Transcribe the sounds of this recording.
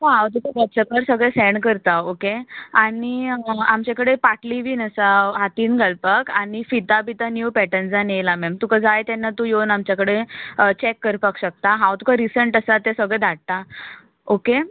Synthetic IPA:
ɦoɦawt̪ukʰabəsəkəɾsəɡɭɛ̃sɛɳkəɾt̪aokeaɽiamt͡ɕakəɽepaʈliʋiːnəsaɦat̪iːnɡʱəlpəkaɽ̃ifit̪abit̪anjuːpɛʈənd͡zanejlamɛmt̪ukad͡zajt̪ɛnːat̪ujonamt͡ɕjakəɽeət͡ɕɛkːəɾpəkɕək̚t̪aɦawt̪ukʰaɾisəɳʈəsat̪esəɡɭɛ̃d̪ʱaɽ̚t̪a | oke

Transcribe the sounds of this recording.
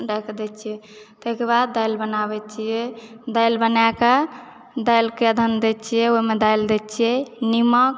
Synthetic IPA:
ɾɛkd̪ɛt̪t͡ʃʰijɛt̪ɔkeβad̪ːajlbənabɛtt͡ʃʰijɛd̪ajlbənaka | d̪ajlkeəd̪ʱənd̪ɛtt͡ʃʰijɛoimed̪ajld̪ɛt̪t͡ʃʰijɛnimək

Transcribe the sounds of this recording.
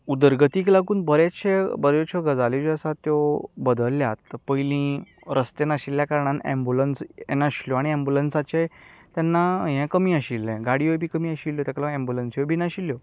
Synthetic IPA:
ud̪əɾɡət̪iːklaɡuːnbəɾjaɕebəɾɔt͡ɕʰɔɡəd͡zalid͡ʑəsat̪jɔbəd̪əlːjat̪pəjlĩ | ɾʔəst̪enaɕilːjakaɾɳ̃ãnɛ̰mbulənsɛ̰naɕiljɔaɽ̃iɛmbulənsat͡ɕet̪janːaɦɛ̃kəmiːəɕilːɛ̃ɡaɽiojbʱiːkəmiːəɕiljɔt̪aklãɛmbulənsjobʱiːnaɕiljɔ

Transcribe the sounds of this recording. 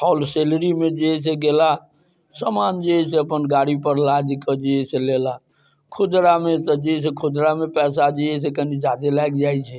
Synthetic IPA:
pʰɔlselɾimed͡ʒes̬eɡela | səmand͡ʒeɛseəpənɡaɽipəɾlad͡ʒkəd͡ʒeeselela | kʰud͡ʒɾamet̪əd͡ʒeɦsekʰud͡ʒɾamepɛsad͡ʒees̬ekənid͡ʒad̪elajɡd͡ʒajt͡ʃʰɛ

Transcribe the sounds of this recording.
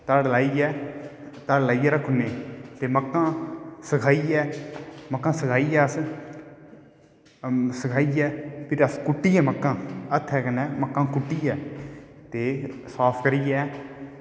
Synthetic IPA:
t̪əɽlaːiːɛː | t̪əɽlaːiːɛːɾəkʰʊneːt̪eːməkːãːsəkʰaːiːɛːməkːãːsəkʰaːiːɛːəs | səkʰaːiːɛːpʰɪɾəskʊʈːiːɛːməkːãːət̪ʰːɛːkənɛːməkːãːkʊʈːiːɛːt̪eːsaːpʰkəɾiːɛː

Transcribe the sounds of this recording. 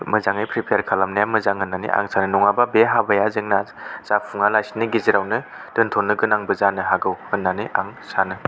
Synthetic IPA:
mɯzaŋɯjpʰɾipʰjaɾkʰalamnajamɯzaŋɦɯnːanḭʔa̰ŋsanɯnɔŋababeɦabajazɯŋnaz̥apʰuŋalajsinɯɡiziɾawnɯ | tɯntʰonːɯɡɯnaŋbɯzanɯɦaɡɯwhɯnːaniʔa̰ŋsanɯ

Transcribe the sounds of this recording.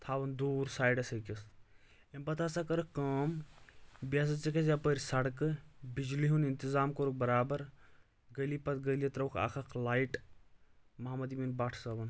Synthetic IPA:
t̪ʰaːʋɐnd̪uːɾsaːjɖɐsɐkis | embɐt̪ʰaːsakɐɾɨkɐːm | bɐs̬ɐt͡ʃikɐsjapəːɾisɐɽkɨbid͡ʒliɦunint̪izaːmkoɾuk̚bɐɾaːbɐɾ | ɡɐjliːpɐt̪ɡəliɐt̪ɾɐwkʰa̰ːkʰɐkʰlaːjʈ | mɐɦɐmɐd̪iminbaʈʰsɐʋɐn

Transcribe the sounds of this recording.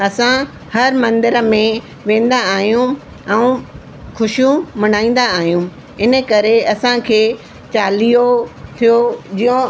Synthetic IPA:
ɐsã | hɐɾmɐ̃nd̪ɪɾə̆mẽ | ʋẽːn̆d̪aaːɦijũ | ɛ̃ũ | xʊʃjũmɐñaːĩːn̆d̪aːɦijũ | ɪnə̆kɐɾeɐsãkʰeː | t͡ɕaːlijot̪ʰijod͡ʑijõ

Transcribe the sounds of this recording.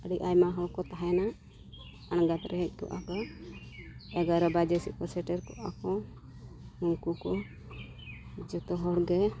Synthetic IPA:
əɖiʔajmaɦɔwkɔt̪aɦɛna | anɡat̪ɾɛɦɛc̚ˀkɔ̰ʔa̰kɔ | ɛɡaɾɔbad͡ʒɛsiʔkɔsɛʈɛɾkɔʔakɔ | hunkukɔ | d͡ʒɔt̪ɔɦɔɽɡɛ

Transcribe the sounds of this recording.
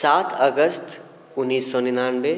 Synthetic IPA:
saːt̪ʰəɡəst̪ | ʊnːiːsːɔnɪnaːnbe

